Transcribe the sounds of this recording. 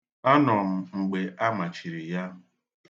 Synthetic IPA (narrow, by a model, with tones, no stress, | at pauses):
a˦nɔ˨m̩˨ŋ͡m̩˨ɡ͡be˨ʔa˦ma˨t͡ʃi˨ɾi˨ja˦m̩˦